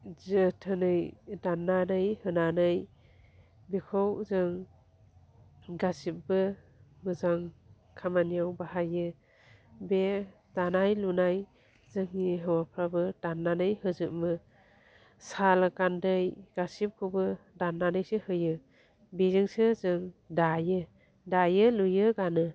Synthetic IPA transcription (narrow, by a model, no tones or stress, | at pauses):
zɯtʰɯnɯjdanːanɯjhɯnanɯj | bikʰowzɯŋ | ɡasip̚bɯ | mɯzaŋ | kʰamanijawbaɦajɯ | be | danajlunaj | zɯŋːiɦɯwapʰɾabɯd̥anːanɯjhɯzɯʔ̚mɯ | salɯkandɯjɡ̥asip̚kʰɯbɯdanːanɯjsɯhɯjɯ | bizɯŋsɯzɯŋdajɯ | dajɯlujɯɡanɯ